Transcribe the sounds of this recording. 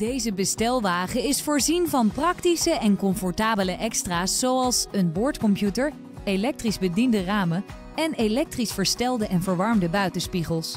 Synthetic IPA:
d̥ejzəbəstɛlˠʋaːχəɪsfʊːɹzinvɑnprɑktisəʔɛnkɔmfɔɹtaːbələʔɛkstraːsːowɑlˠsənboɹtkɔmpjutəɹ | elɛk̚trizbədindəraːmə | ɛnelɛk̚trisfəɹstɛlˠdəʔɛnvəɹʋɑɹmdəbœɥtənspiχəlˠs

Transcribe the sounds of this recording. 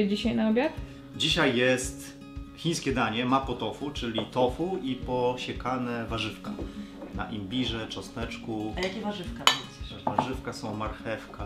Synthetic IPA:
d͡ʑiɕajnaɔbʲjat̪ | d͡ʑiɕajːɛst̪ | xʲiɲ̃skʲɛd̪aɲɛmapɔt̪ɔfut͡ʂɘlʲit̪ɔfuipɔɕɛkanɛvaʐɘfka | na̰ʔimʲbʲiʐɛt͡ʂɔsnɛt͡ʂkuajakʲɛvaʐɘfkaɔvaʐɘfkasɔ̃w̃maɾxɛfka

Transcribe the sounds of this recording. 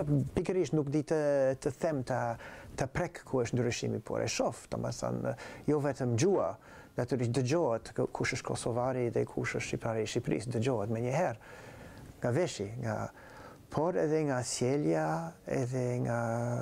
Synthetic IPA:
pikəɾiʃnukd̪it̪ət̪əθɛmt̪at̪əpɾɛkkːʰuəʃnd̪ɾiʃḭmḭpʰɔ̰ɾʔɛ̰ʃɔft̪a̰ma̰sa̰njɔvɛt̪əmd͡ʒua | nat̪yɾiʃd̪əd͡ʒɔɛt̪kʰuʃəʃkʰɔsɔvaɾiðɛkʰuʃəʃipt̪aɾiʃipɾḭsd̪əd͡ʒɔɦət̪mɛɲəɦɛɾ | ŋɡavɛʃiŋɡa̰ | pʰɔɾɛ̰ðɛŋɡasjɛljaɛ̰ðɛŋɡa

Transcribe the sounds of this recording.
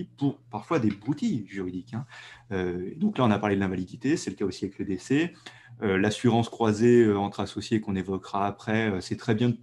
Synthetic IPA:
ipuʁpaʁfwad̪ebʁut̪ijʒyʁid̪ikɛ̃øḛd̪ɔ̃klaɔ̃napaʁled̪lɛ̃valid̪it̪esɛləkaosiavɛkləd̪ese | ølasyʁɑ̃skχwazeøɑ̃t̪χasɔsjekɔ̃nevɔkʁaːpχɛøsɛt̪χɛbjɛ̃d̪ə

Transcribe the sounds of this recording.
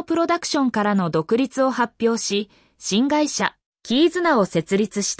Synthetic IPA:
pɯ̟ɾo̞d̪akɯ̟̥ɕõ̞ŋkaɾano̞d̪o̞kɯ̟ɾʲit͡sɨo̞hapʲːjo̞ːɕi | ɕĩŋɡaiɕa | kʲiːzɨnao̞se̞t͡sɨɾʲit͡sɨɕi̥t̪

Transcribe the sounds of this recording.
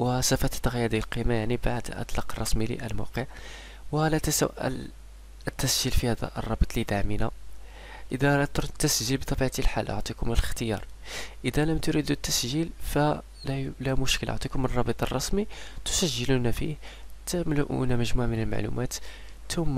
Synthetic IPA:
wəsæfət̪t̪ːəɣjːæd̪ilqimajaʕnibaʕd̪ʔɑ̰t̪ˤlɑqrˤːɑsmilḭʔə̰lmɑ̰wqəʕ | wəlæt̪əsəʔə̰l | ət̪ːæsʒilfihæd̪æ̰ʔə̰rˤːɑbət̪ˤlid̪aʕmina̰ | ʔəd̪æt̪ɾt̪ːəsʒilbt̪ˤɑbiʕt̪ilħalʔo̰ʕt̪ˤikʊməlxt̪əjɑ̰ɾˤʔəd̪æləmt̪ʊɾid̪ut̪ːæsʒilfæ | læmʊʃkəlʔo̰ʕt̪ˤikʊmrˤɑbət̪ˤərˤːɑsmit̪ʊ̥sæʒːəlunæfḭht̪əmlʊʔṵnæməʒmuʕmənəlma̰ʕlṵmʔæt̪ | t̪ʊmː

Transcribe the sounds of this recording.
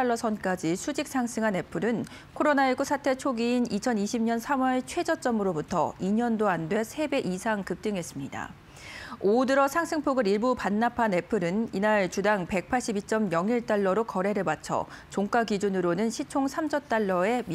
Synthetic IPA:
ɭːʌsʰʌnk͈ad͡ʑisʰud͡ʑik̚s͈ʰaŋs͈ʰɯŋɦane̞pʰɯɾɯn | kʰoɾonaiɡusʰatʰe̞t͡ɕʰoɡiinit͡ɕʰʌniɕʰimɲʌnsʰamwʌɭt͡ɕʰwe̞d͡ʑʌt͡ɕ͈ʌmɯɾobutʰʌ̰iɲʌndoandwe̞sʰe̞be̞ʔisʰaŋkɯp̚t͈ɯŋɦe̞s͈ɯmɲida̰ | odɯɾʌsʰaŋsʰɯŋpʰoɡɯɾiɭbupanːapʰane̞pʰɯɾɯninaɭt͡ɕudaŋpe̞k̚pʰaɭɕ͈ibit͡ɕ͈ʌmjʌŋiɭt͈aɭːʌɾokʌɾe̞ɾɯɭmat͡ɕʰʌ̰t͡ɕoŋk͈aɡid͡ʑunɯɾonɯnɕʰit͡ɕʰoŋsʰamd͡ʑʌt͈aɭːʌe̞m

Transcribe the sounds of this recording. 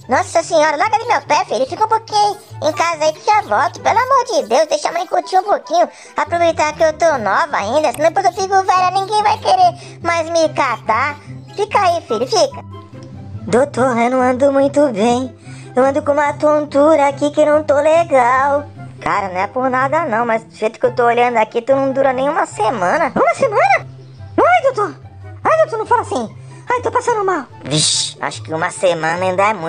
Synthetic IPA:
nɔsɐsẽɲɔɾɐlaɡɐdɪmewpɛfiʎʊfikɐũpokĩɲʊẽkazɐaipʊkeavɔwt̪ʊ̥pelʊamoɾd͡ʒɪd̪ewzd̪ejʃamɐ̃j̃kot͡ʃiũpokĩɲʊ | apɾovejt̪aɾkɪewt̪onɔvɐa̰ĩnd̪ɐsĩd̪epojzewfikʊvɛʎɐnĩɡẽj̃vajkeɾe | majzmɪkat̪afikaifiʎʊfikɐ | d̪ot̪oɾewnɐ̃w̃ɐ̃nd̪ʊmũj̃t̪ʊbẽj̃ | ewɐ̃nd̪ʊkõũmɐt̪ot̪uɾɐːkikɪnɐ̃w̃t̪oleɡawkaɾɐnɐ̃w̃ɛpʊɾnad̪ɐnɐ̃w̃mɐzd͡ʒɪfejt̪ʊ̥kewt̪ooʎɐ̃nd̪ʊakit̪unɐ̃w̃d̪uɾɐnẽj̃ũmɐsemɐ̃nɐũmɐsemɐ̃nɐ | ajd̪ot̪oɾ | ajd̪ot̪oɾnɐ̃w̃falasĩ | ajt̪owpasɐ̃nd̪ʊmaw | viʃa̰ʃʊ̥kɪũmɐsemɐ̃nɐĩnd̪ɐɛmũ

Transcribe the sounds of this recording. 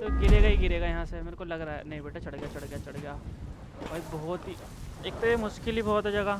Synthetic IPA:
t̪oɡɪɾeːɡaɦiɡɪɾeːɡajɐɦãsemeːɾekolɐɡɾaːɛ̰nɐɦĩbeːʈat͡ʃɐɽɡjat͡ʃɐɽɡɪjat͡ʃɐɽɡejaː | bɐibɔːt̪i | eːk̚t̪ojemʊʃkɪlibɔːt̪ɦɛd͡ʒɐɡa

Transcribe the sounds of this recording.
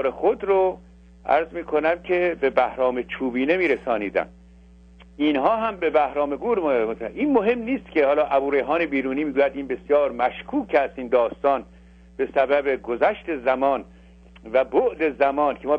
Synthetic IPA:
ɾexod̪ɾo | ʔæ̰ɾzmiːkʰonæmcʰebe̞bæhɾɒːmet͡ʃʰuːbiːne̞miːɾesɒːniːd̪æ̰nd̪ | inhɒːɦæmbe̞bæhɾɒːme̞ɡuːɾʔiːnmoɦe̞mniːst̪cʲehɒːlɒːʔæbuːɾejɦɒːnebiːɾuːniːmiːɡuːjæd̪iːnbe̞sjɒːɾmæʃkʰuːkʰæst̪iːnd̪ɒːst̪ɒːn | b̥e̞sæbæbe̞ɡozæʃt̪e̞zæmɒːn | væboʔd̪ezæmɒːnkʰemɒː

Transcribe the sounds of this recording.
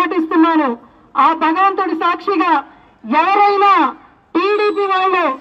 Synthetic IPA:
ɐʈist̪unːaːnu | aːbʱɐɡɐʋɐnt̪oɽisaːkʂiɡaː | ɛʋɐɾɐjnaː | ʈiːɽiːp̬iːʋaːɭːuː

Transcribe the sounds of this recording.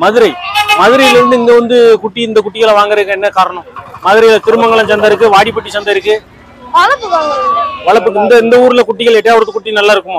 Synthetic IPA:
mɐðɯɾɐɪmɐðɯɾɐjɪlɪɾɯnd̪ɯɪnɡ̪ɐʋɐnd̪ɯkʊʈːiɪnd̪ɐk̬ʊʈːɪɣɐɭɐʋaːŋɡɐɾɐɯkːɐɛnːɐkaːɾɐɳɐ̃mmɐðɯɾɐjɪlɐt̪ɪɾɯmɐŋɡɐɭɐ̃t͡ʃɐnd̪aɪɾɯk̬ːɯʋaːɽipːɐʈːit͡ʃːɐnd̪aɪɾɯkːɯ | ʋɐɭɐpːɯʋaːŋɡɐɾɐpɐɭɐpːɯɪnd̪ɐɪnd̪ɐuːɾɯlɐkʊʈːɪɣɐɭɛʈːɐjaːʋɐɾɐt̪ːɯkːʊʈːinɐlːaːɪɾɯkːɯmoː

